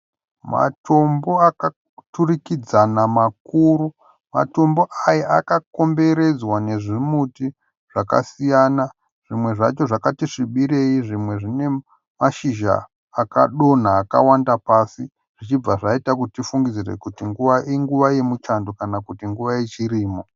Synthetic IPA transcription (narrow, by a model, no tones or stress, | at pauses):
ma̰tʰo̞mbo̞aka | turikid͡zanamak̚uːɾu | ma̰to̞mbo̞ʔajaakako̞mbe̞ɾe̞d͡zwane̞ʐimuti | ʐ̥aka̰sijana | ʐ̥imwe̞ʐa̰t͡ʃo̞ʐakatiʂiɓiɾe̞iʐimwe̞ʐine̞ | maʃiʒa̰ː | ka̰ɗo̞naːka̰wandapasi | ʐ̥it͡ʃib͡vaʐaitakuitifuŋɡid͡zirḛkutiŋɡuʋaʔiŋɡuʋajemut͡ʃando̞kanakutiŋɡuʋajet͡ʃiriːmo̞